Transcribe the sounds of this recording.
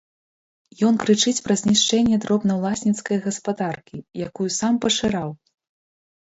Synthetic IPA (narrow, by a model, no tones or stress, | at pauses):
jɔnkɾɨt͡ʂɨt͡sʲpɾɐzʲnʲiʂt͡ʂɛnʲːɛd̪ɾɔbnɐwlˠasʲnʲit̪skɐjɣɐspad̪arkʲijakujusampɐʂɨɾaw